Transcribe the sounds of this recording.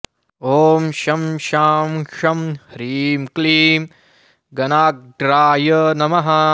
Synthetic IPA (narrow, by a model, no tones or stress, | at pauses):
oːmʃɐmʃaːmʂɐmhɾiːmkliːm | ɡɐnaːk̚ɖɾaːjɐnɐmɐɦɐ